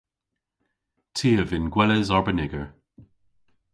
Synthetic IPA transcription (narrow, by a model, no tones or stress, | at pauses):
tʰiːəvɪnɡwɛlɛzɔɹbənɪɡəɹ